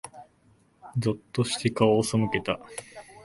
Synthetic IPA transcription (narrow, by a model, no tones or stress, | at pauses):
d͡zot̪ːo̞ɕi̥t̪e̞kaosomɯ̟ke̞t̪a